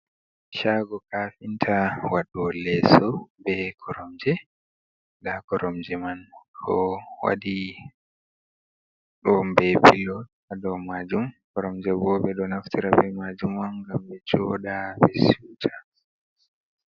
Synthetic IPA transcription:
ʃaɡɔkafintʰawaɗɔlɛsɔbɛkʰɔɾɔmd͡ʒɛ | dakɔɾɔmd͡ʒɛmankʰɔwa̰di | ɗɔmbɛpilɔt | aɗɔmad͡ʒumkɔɾɔmd͡ʒɛbɔːbɛɗɔnaftiɾabɛmad͡ʒumwanɡambɛt͡ʃɔɗabɛsuːtʰa

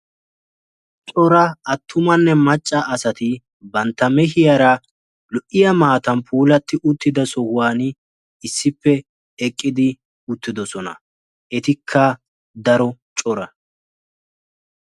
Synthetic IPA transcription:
t͡ʃʼɔɾɐɐt̪ʰːʊmɐnːɛmɐt͡ʃʼːɐʔɐsɐt̪ɪ | bɐnt̪ːɐmɛɦɪjɐɾɐ | lɔʔɪjɐmaːt̪ɐnpʰuːlɐt̪ːɪʔʊt̪ːɪd̪ɐsɔhaːnɪ | ɪsːɪpːɛ | ɛkʼːɪd̪ɪ | ʊt̪ːɪd̪ɔsɔnɐ̰ | ʔɛt̪ɪkʰːɐ | d̪ɐɾɔt͡ʃʼɔɾɐ

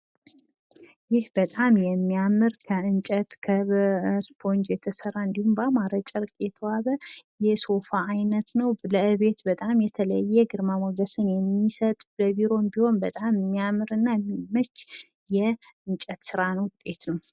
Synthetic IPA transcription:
jɪhbət̪ʼamjɛmːiamɨɾkʰəɨnt͡ʃʼət̪kʰəspʰo̞nd͡ʒjɛt̪ʰəsəɾaɨnd̪ihumbamaɾət͡ʃʼəɾɨkʼjɛt̪ʰəwaβəjɛso̞faːjnət̪nəwləɨβe̞t̪bət̪ʼamjɛt̪ʰələ̰jːɛɡɨɾmamoɡəsɨnjɛmːisət̪ʼbəβiɾo̞nbiho̞nbət̪ʼammːiamɨɾɨnːajimət͡ʃː | jɛ | ɨnt͡ʃʼət̪sɨɾanəwt̪ʼːe̞t̪nəw

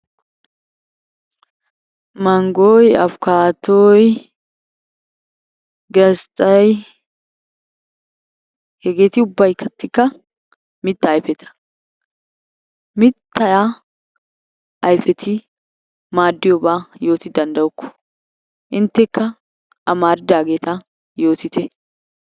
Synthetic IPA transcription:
mɐŋɡoːjɐfʊkaːt̪oj | ɡɐst̪ʼɐj | hɛɡe̞ːt̪ɪʊbːɐjkʰːɐt̪ːɪkːɐ | mɪt̪ːɐːjfɛt̪ʰɐ̥ | mɪt̪ːɐja | ɐjfɛt̪ʰɪ | maːd̪ːɪjɔbaːjo̞ːt̪ɪd̪ɐnd̪ɐɔkːɔ̥ | ʔɪnt̪ːɛkːɐ | ɐmaːɾɪd̪aːɡe̞ːt̪ɐ | jo̞ːt̪ɪt̪ɛ

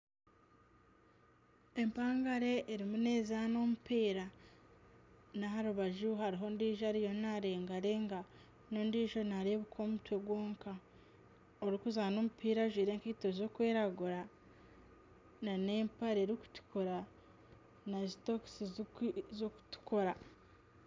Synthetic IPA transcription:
e̞mpaːŋɡaɾe̞ʔːɾimune̞ːzaːno̞mupiːɾa | naɦaɾuβaʒuɦaɾiɦo̞ndiːʒaɾijo̞nnaɾe̞ːŋɡaɾeŋɡa | no̞ndiːʒo̞naɾeβukʰo̞ːmutwe̞βwoːŋka | oɾikuzaːno̞mupʰiːɾaʒwiːɾeːŋkiːtozo̞kweːɾaɡuɾa | naneːmpaɾeɾiku̥ti̥koɾa | nazito̞ksizoku̥tu̥koɾa

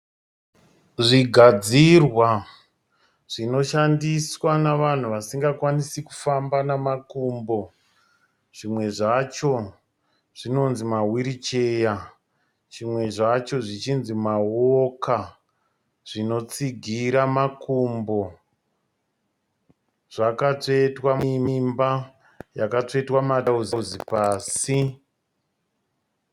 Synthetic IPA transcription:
ʐiɡʱad͡zirwa | ʐ̥ino̞ʃandiswanaʋan̤uʋasiŋɡakwanisiku̥fambanamakuːmbo̞ | ʐ̥imwe̞ʐat͡ʃo̞ | ʐ̥ino̞nzimawiɾit͡ʃeja | ʐimwe̞ʐat͡ʃo̞ʐit͡ʃinzimawoka | ʐ̥ino̞t͡siɡʱiɾamakumbo̞ | ʐ̥akat͡ʂetwaiimba | jakat͡ʂoetwamatauziuzipaːsi

